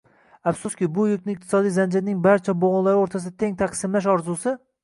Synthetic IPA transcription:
afsʊskʲɪbʊjʊk̚ʲnɪɪqt̪ʰɪ̥sɒd̪ijzand͡ʒɪɾɪnɪŋbaɾt͡ʃʰaboʁʊlːˠaɾɪoɾt̪ʰasɪd̪at̪ʰe̞ŋt̪ʰaqsɪmlaʃ̬ɒɾzusɪ

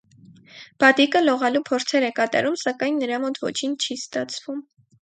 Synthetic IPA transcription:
b̥ɑt̪ikəlɔʁɑlupʰɔɾt͡sʰɛɾɛkɑt̪ɑ̰ɾumsɑkɑjnːəɾɑmɔt̪vɔ̰t͡ʃʰint͡ʃʰist̪ɑt͡sʰvum

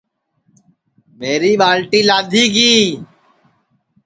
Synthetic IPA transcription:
meːɾiːbaːlʈiːlaːd̪ʱiːkiː

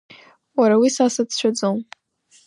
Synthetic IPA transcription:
waɾawisasadt͡ʃʷʰad͡zom

